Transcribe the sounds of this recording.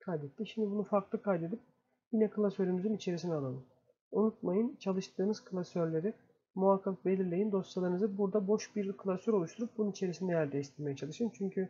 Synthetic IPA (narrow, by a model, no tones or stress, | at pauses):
kʰajd̪et̪lʲiʃimd̪ibunufaɾklˠɯkʰajd̪e̞d̪ip̚ | jinɛkɯlˠasøɾymyzynit͡ʃʰe̞ɾis̬inialˠanˠɯm | unut̪̚majɯnt͡ʃʰalˠɯʃt̪ʰɯːnɯz̥kʰɯlˠasøɾlʲe̞ɾi | muakʰːak̚be̞lʲiɾlʲe̞jind̪o̞sjalˠaɾɯnɯzɯbuɾd̪abo̞ʃbiɾkʰɯlˠasøɾo̞lˠuʃt̪ʰuɾup̚bununit͡ʃʰe̞ɾisind̪ɛjæɾd̪ɛist̪ʰiɾme̞jɛt͡ʃʰalˠɯʃɯnt͡ʃʰyɲcʰy